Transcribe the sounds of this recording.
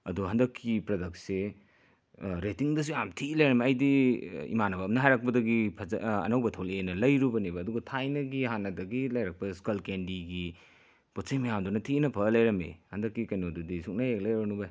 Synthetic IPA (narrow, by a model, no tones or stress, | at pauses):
ɐduɦɐndɐkʰːipɾodɐk̚se | ɾetiŋdɐs̬ujamtʰilɐjɾɐmeɐjdiḭmanɐbɐmnɐɦajɾak̚pɐdɐɡipʰɐz̰ɐ̰nɐwbɐtʰowlenɐlɐjɾubɐnebɐːduɡɐtʰajnɐɡiɦanɐdɐɡilɐjɾak̚pɐskɐlkendiɡi | pot̚sejmɐjamdunɐtʰinɐpʰɐlɐjɾɐmḛhɐndɐkːikɐjnodudisuk̚najek̚lɐjɾɐbnubɐj